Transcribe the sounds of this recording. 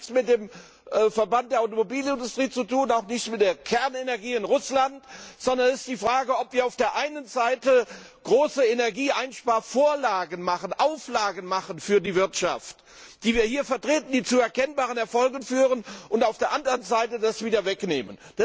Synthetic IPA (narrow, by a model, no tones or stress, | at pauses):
t͡smɪt̚d̥eːm | fɛɐbant̚d̥eːɐʔaʊtomobiːlɪndʊstʁ̥iːt͡sutuːnaʊxnɪçt͡smɪt̚d̥eːɐkʰɛɐnenɛɐɡiːɪnʁʊslantz̥ɔndɐnɪstd̥iːfʁ̥aːɡəɔpv̥iːɐaʊfd̥eːɐʔaɪnənzaɪtə | ɡ̥ʁoːsəenɛɐɡiːʔaɪnʃpaːɐfoːɐlaːɡənmaχənʔaʊflaːɡən̩maχənfyːɐdiːvɪɐtʃa̰ft | d̥iːviːɐhiːɐfɛɐtʁ̥eːtn̩d̥iːt͡suɛɐkʰɛnbaːʁənɛɐfɔlɡən̩fyːʁənʊntaʊfd̥eːɐʔandəʁənzaɪtədasv̥iːdɐvɛknḛːmə̰nd̥a